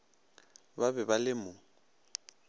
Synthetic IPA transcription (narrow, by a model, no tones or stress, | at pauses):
babɛbalɪmʊ